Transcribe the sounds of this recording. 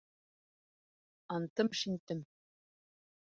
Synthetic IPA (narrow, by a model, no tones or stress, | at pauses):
ɑnt̪ɤmʃint̪ɘ̆m